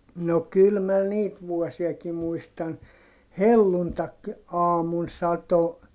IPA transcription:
no kyl mæ niːt ʋuɔsiɑki muistɑn helːuntɑk ɑːmun sɑto

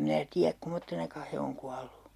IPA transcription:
minæ tiæk kumotːenɑkɑ he oŋ kuɑlːu

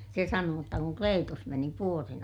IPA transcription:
se sɑnoː jotːɑ kuŋ kleːtus meni puorin

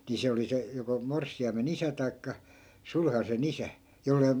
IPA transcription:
ni se oli se joko morsːiɑimen isæ tɑi̯kːɑ sulhɑsen isæ jolːei

